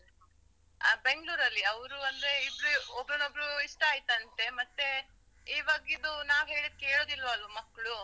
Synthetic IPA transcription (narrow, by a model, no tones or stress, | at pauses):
be̞ŋɡɭuːɾɐlːiɐʋɾuɐnd̪ɾe̞ibɾuɔbɾonobɾuiʂʈɐaːjt̪ɐɐnt̪e̞mɐt̪ːe̞ | iːʋaːɡid̪unaːʋɦe̞ːɭid̪̚keːɭoːd̪ilːʋɐːlʋumɐkːɐɭu